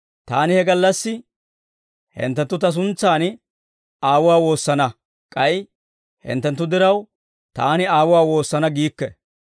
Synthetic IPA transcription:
t̪aːnɪhɛɡɐlːɐsːɪ | hɛ̰nt̪ːɛnt̪ːʊt̪ɐs̬ʊnt͡sːaːn | aːwʊwaːwo̞ːsːɐnɐ | kʼɐj | hɛ̰nt̪ːɛnt̪ːʊd̪ɪɾɐw | t̪aːnɪaːwʊwaːwo̞ːsːɐnɐɡiːkːɛ

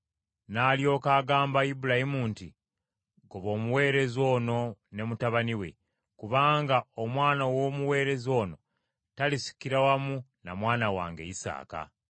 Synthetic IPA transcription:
naːljo̞ːkaːɡaːmbaibulahimuːnti | ɡoβo̞ːmuwe̞ːɾe̞zo̞ːno̞ne̞mutaβaniwe̞̰ | kuβaːŋɡaomwaːnawo̞ːmuwe̞ːɾe̞zo̞ːno̞ | talisi̥kiɾawamunamwaːnawa̰ːŋɡe̞̰isa̰ːka̰

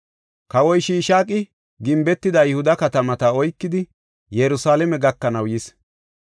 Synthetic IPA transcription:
kɐwɔjʃiːʃaːkʼːɪ | ɡɪmbɛt̪ːɪd̪ɐjɪhʊd̪ɐkɐt̪ɐmɐt̪ɐɔjkːɪd̪ɪ | jɛɾʊsaːlɛmɛɡɐkːɐnɐwjɪs

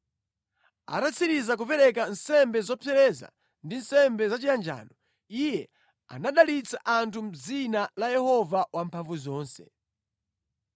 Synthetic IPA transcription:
a̰tat͡sʰiɾizak̬upɛɾɛkansɛmbɛzɔpʰɛɾɛza̰ | ndinsɛmbɛzat͡ʃijand͡ʒa̰ːnɔ | ijɛ | a̰naɗalit͡saʔantʰum̩d͡zinalajɛhɔvawampʰaɱvuzɔːnsɛ

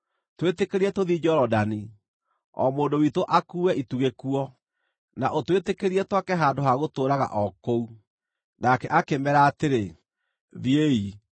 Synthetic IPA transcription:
twetekeɾiɛtoðid͡ʑɔɾɔdani | ɔ̰moːndowitoʔakuːwɛʔituɣekuɔ | naʔotwetekeɾiɛtwakɛɦaːndoɦaɣotoːɾaɣa̰ʔɔkou | nakɛʔakemɛɾaːteɾe | ðiei

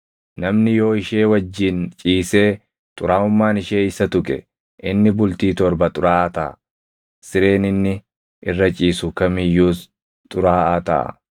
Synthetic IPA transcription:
nɐmnɪjo̞ːɪʃe̞ːwɐd͡ʒːiːnt͡ʃʼiːse̞ː | t̪ʼʊɾaːʊmːaːnɪʃeːɪsɐt̪ʊkʼɛ̰ | ʔɪnːɪbʊlt̪iːt̪ɔɾbɐt̪ʼʊɾaːʔt̪ɐʔɐ̰ | sɪɾe̞ːnɪnːɪ | ʔɪrːɐt͡ʃʼiːsʊkɐmɪjːuːs | t̪ʼʊɾaːʔaːt̪ɐ̰ʔɐ̰

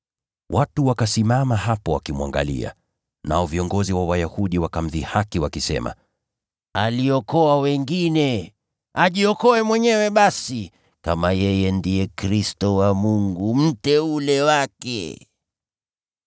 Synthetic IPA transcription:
wʔatuwakasimamaɦapɔwakimwa̰ŋɡa̰lḭa̰ | na̰ɔviɔŋɡɔziwawajahuɗiwakam̩ðihakiwakisɛ̰ma̰ | aliɔkɔawɛŋɡinɛ | aʄiɔkɔɛmwɛɲɛwɛɓasi | kamajɛjɛndijɛkɾistɔwamuŋɡum̩tɛulɛwakɛ̰

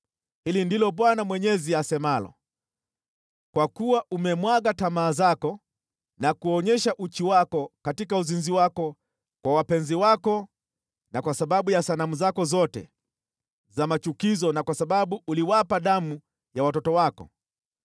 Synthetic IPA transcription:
hilindilɔɓwanamwɛɲɛziasɛmalɔ̰ | kwakuwaʔumɛmwaɡatamaːzakɔ | nakuɔɲɛʃaʔut͡ʃiwakɔkatikauzinziwakɔ | kwawapɛnziwakɔ | nakwasaɓaɓujasanamuzakɔzɔtɛ̰ | zamat͡ʃukizɔnakwasaɓaɓuːliwapaɗamu | jawatɔtɔwakɔ̰

